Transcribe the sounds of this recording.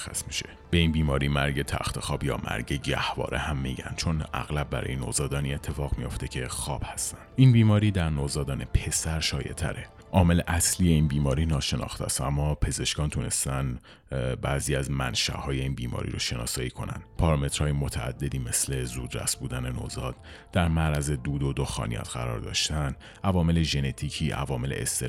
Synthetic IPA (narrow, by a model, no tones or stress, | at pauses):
xæ̰smiʃe̥ | b̥e̞inbiːmɒːɾiːmæɾɟe̞t̪ʰæ̰xt̪ʰe̞xɒːbjɒ̰ːmʔæ̰ɾɟeɟæhvɒ̰ːɾʔehæmːiɟæ̰n̥t͡ʃʰo̞næ̰ɣlæb̚bːæɾɒ̰ːjeno̰ːzɒːd̪ɒːniet̪ʰːe̞fɒːɣmijo̞ft̪e̞cʰe̞xɒːb̥hæst̪ænd̪ʔinbiːmɒːɾiːd̪æɾnozɒːd̪ɒːnepʰe̞sæɾʃɒːjḛt̪ʰæ̰ɾʔe̞ | ʔɒːme̞leʔæsliːje̞inbiːmɒːɾiːnɒːʃe̞nɒ̰ːxt̪ʰæ̰st̪ʔæmːɒːpʰe̞ze̞ʃkɒːnt̪ʰune̞̰st̪æn | bæːziːæzmæ̰nʃæ̰ʔhɒːje̞iːnbiːmɒ̰ːɾḭɾoʃe̞nɒ̰ːsɒːjiːkʰo̞næ̰nd̪̥pʰɒːɾɑme̞t̪ɾ̥hɒːjemot̪ʰæ̰ːd̪ːe̞d̪iːme̞sle̞zuːd̪ɾæ̰sbuːd̪æne̞no̰zɒːd̪̥ | d̪̥æɾmæɾæze̞d̪uːd̪od̪oxɒ̰ːnijɒ̰ːt̪ɡæ̰ɾɒ̰ːɾd̪ɒ̰ːʃt̪æn | ʔævɒːme̞le̞ʒe̞ne̞t̪ʰiːcʰiːʔæ̰vɒːme̞le̞̰ʔḛst̪e